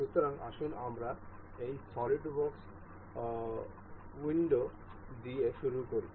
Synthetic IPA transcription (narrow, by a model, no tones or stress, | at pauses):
ʃut̪ːoɾaŋa̰ʃunamɾa | ejsɔliʈbɔks | wiɳɖo | d̪ieʃuɾukoɾi